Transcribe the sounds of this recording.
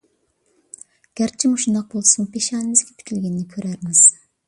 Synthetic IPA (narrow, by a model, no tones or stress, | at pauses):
ɡ̥ʲæɾt͡ʃʰimuʃund̪ɑq̚bolˠsuŋpʰeʃɑːnɪmɪz̥ɡʲɛpʰi̥t̪ʲʰilɡʲɛnːɪkʲʰøɾæɾmɪz̥